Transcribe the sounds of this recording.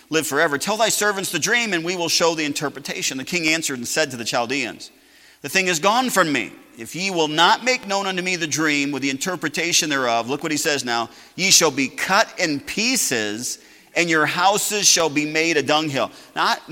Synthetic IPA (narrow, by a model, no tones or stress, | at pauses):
lɪv̥fə˞ɛvə˞tʰɛlˠðaɪsɜ˞vɨ̃ntsðɨdɹĩmɨ̃nwiwəlˠʃoʊðiɨ̃ntʰɜ˞pɹɨtʰeɪʃɨ̃n̩ðɨkʰɪ̃ŋæ̃nsə˞ɾn̩sɛd̚tɨðɨt͡ʃʰaɪlˠdiɨ̰̃nz̥ | ðɨθɪ̃ŋɨzɡɔ̃nfɹʌ̃mːḭ | ɨfjiwɪlˠnət̚meɪk̚nõʊ̃ñʌ̃ntʉmiðɨdɹĩmwɨðiɨ̃ntʰɜ˞pɹɨtʰeɪʃɨ̃nðə˞ʌvlʊkwʌt̚isɛznaʊ | jɨʃəlˠbikʰʌɾɪ̃npʰisɪz | ɨ̃njə˞ɦaʊsɪz̥ʃəlˠbimeɪɾɨdʌ̃ŋɦɪ̰lˠna